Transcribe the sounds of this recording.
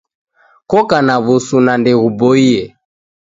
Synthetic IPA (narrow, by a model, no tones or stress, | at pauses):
kɔkanaβusunandɛɣubɔiɛ